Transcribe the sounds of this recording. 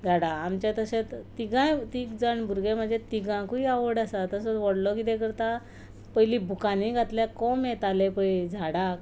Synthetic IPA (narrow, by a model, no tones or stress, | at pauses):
d͡zʱaɽaːmt͡ɕat̪əsẽt̪t̪iɡãjt̪iːkd͡zaɳbʱuɾɡem̤əɳd͡zet̪iɡãkuiaʋəɽasat̪əsɔt͡sʋəɽlɔkit̪ɛ̃kəɾt̪a | pəjlibʱukanĩɡʱat̪ljakɔmet̪alepəjd͡zʱaɽak